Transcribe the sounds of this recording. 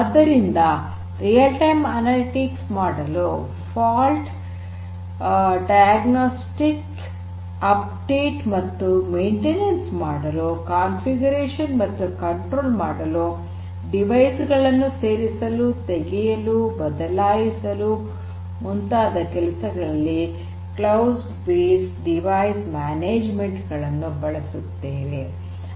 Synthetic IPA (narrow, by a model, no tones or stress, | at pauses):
ɐd̪ɐɾind̪ɐ | ɾijɐlʈɐjmɐnɐliʈiksmaːɽɐlu | pʰaːlʈ | ɖɐjaɡnoːsʈik | ɐp̚ | ɖe̞ːʈmɐt̪ːume̞ːɳʈenensmaːɽɐlukaːnfʰiɡuɾeːʂɐnmɐt̪ːukɐɳʈɾoːlmaːɽɐlu | ɖiʋɐjsɡɐɭɐnːuse̞ːɾisɐlut̪eɡɛjɐlubɐd̪ɐlaːjisɐlu | munt̪aːd̪ɐkɛlɐsɐɡɐɭɐlːi | klɐws | beːsɖiʋajsmaːneːd͡ʒmeɳʈɡɐɭɐnːubɐɭɐsut̪ːeːʋe